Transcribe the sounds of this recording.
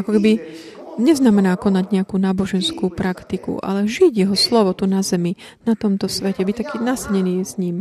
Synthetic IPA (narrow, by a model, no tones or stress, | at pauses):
akɔkɛbi | ɲɛznamɛnaːkɔnaɟɲɛakuːnaːbɔʒɛnskuːpɾakt̪ikṵʔa̰lɛʒiɟjɛɦɔslɔʋɔt̪unazɛmi | nat̪ɔmt̪ɔsʋɛcɛbict̪akiːnasɲɛniːz̥ɲiːm